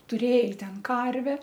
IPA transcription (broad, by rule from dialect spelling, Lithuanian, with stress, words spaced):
tʊˈrʲeːj ˈtʲɛn ˈkɐrʲʋʲɛ